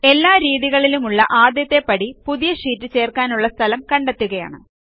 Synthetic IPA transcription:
e̞lːaːɾiːðiɣɐɭilumuɭːɐ̰ʔaːd̪jɐt̪ːe̞pːɐɽipuðijɐʂiːtːɨt͡ɕe̞ːrkaːnuɭːɐst̪ʰɐlɐmkɐɳɖet̪ːuɣɐja̰ːɳɨ̰

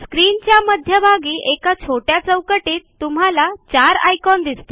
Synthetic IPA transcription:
skɾint͡ɕjaməd̪ʱjəbʱaɡiːʔekat͡sʰoʈjat͡səwkəʈiːt̪ːum̤alat͡ɕaɾa̰jkɔnd̪ist̪i

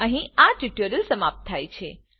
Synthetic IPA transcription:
əɦĩaʈiʈjəɾəlsəmap̚t̪ʰːajt͡ʃʰe

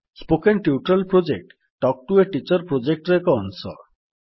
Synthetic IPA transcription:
spokenʈiuʈɾelpɾod͡ʑek̚ʈ | ʈːɔk̚ʈueʈit͡ɕɔɾpɾod͡ʑek̚ʈɾekɔɔnsɔ̰

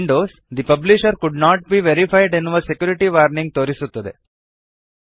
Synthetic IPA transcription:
ɳɖoːs | d̪ipɐbliʃɐɾkuɖnaːʈ̚biːʋeɾifajɖenːuʋɐsekjuːɾiʈiʋaːɾnĩŋɡ̚t̪oːɾisut̪ːɐd̪ḛ

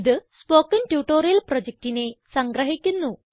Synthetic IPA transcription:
ðɨspo̞ːkːɐntjuːʈːo̞ːɾijɐlprod͡ʑek̚ʈine̞sɐŋɡɾɐɦikʲːunːu

